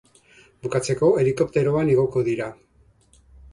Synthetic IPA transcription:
bukat͡se̞ko̞e̞liko̞p̚t̪e̞ɾo̞aniɣoko̞ðiɾa

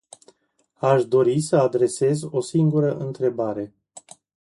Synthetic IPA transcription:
aʃd̪o̞ɾisəad̪ɾe̞se̞zo̞siŋɡuɾəʔɨnt̪ɾe̞baɾe̞

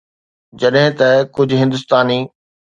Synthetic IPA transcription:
d͡ʑɐɗɦɪ̃t̪ɐkʊd͡ʑʱɦɪ̃nd̪ʊst̪aːniː

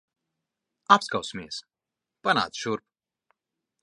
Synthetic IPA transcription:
apskawsmiɛs | pana̰ːt̪ʃuɾp

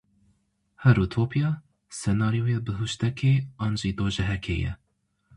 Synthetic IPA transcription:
hɛɾuːt̪ʰoːpijɑ | sɛnɑːɾijoːjebɨɦuʃt̪ɛkʰeːɑːnʒiːd̪oːʒɛɦɛkʰḛːjɛ̰

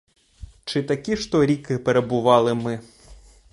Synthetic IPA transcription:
t͡ʂɨt̪akʲiʂt̪ɔɾʲikɨpɛɾɐbuʋalˠɨmɨ

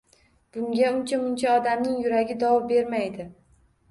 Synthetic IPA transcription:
b̥ʊŋɡʲaʊnt͡ʃʰamʊnt͡ʃʰaɒd̪amnɪŋjʊɾaɡʲɪd̪ɒwɒbe̞ɾmajd̪ɪ

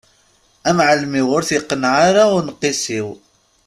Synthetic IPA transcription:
æmʕəlmiʁʊɾθiqːənʕaɾaʊɾnqːisiw

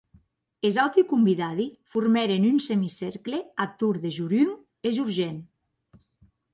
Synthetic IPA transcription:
ezawt̪ikumbiðað̞ifuɾmɛɾenynsemisɛɾkleat̪uɾðeʒuɾyŋ | ezuɾʒen

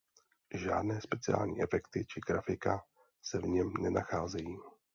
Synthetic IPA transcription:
ʒaːdnɛːspɛt͡sɪa̰ːlɲḭːʔɛfɛkt̪ɪt͡ʃɪɡ̥ɾafɪka | sɛvɲɛmnɛnaxaːzɛjiː

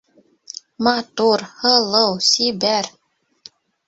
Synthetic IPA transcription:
mɑt̪uɾhɤ̆lˠɤwsibæɾ

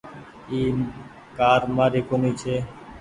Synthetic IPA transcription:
iː | kaːɾmaːɾeːkomiːt͡ʃʰeː

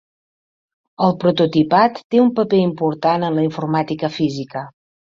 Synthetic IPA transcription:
əlˠpɾut̪ut̪ipat̪ːeumpəpeimpuɾt̪anənləiɱfurmat̪ikəfizikə

